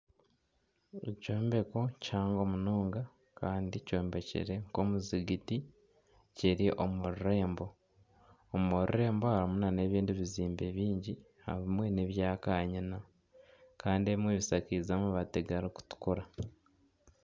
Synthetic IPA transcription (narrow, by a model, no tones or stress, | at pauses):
ḛco̞ːmbe̞ko̞caːŋɡo̞ːmunoːŋɡa | kaːndico̞ːmbe̞cḛɾe̞ŋko̞ːmuziɡiti | ceɾiʔo̞muɾuɾe̞ːmbo̞ | omuɾṵɾe̞ːmboaɾimunane̞βiːndiβiziːmbe̞βiːɲɟi | ha̰hβimwe̞neβjaːkaːɲina | kaːndie̞βimweβisakizamuβateɡaɾoku̥tu̥kuɾa